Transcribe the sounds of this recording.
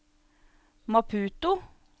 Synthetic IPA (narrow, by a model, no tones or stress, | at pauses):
mɑpʰʉːt̪ʊ